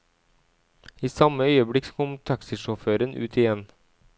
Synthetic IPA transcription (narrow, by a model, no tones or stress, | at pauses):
iːsɑməœʏəbɽɪkkʰɔmt̪ʰɑksɪʃɔføːɾənʔʉ̰ːt̪ʰɪjɛn